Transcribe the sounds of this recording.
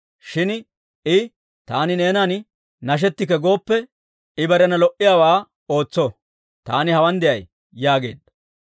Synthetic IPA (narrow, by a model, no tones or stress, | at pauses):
ʃɪn | ɪ | t̪aːnɪne̞ːnan | nɐʃ̬ɛt̪ːɪkːɛɡo̞ːpːɛ | ɪbɐɾɛnɐlɔʔɪjaːwaː | o̞ːt͡sːɔ | t̪a̰ːnɪhɐwɐnd̪ɛʔɐj | jaːɡe̞̰ːd̪ːɐ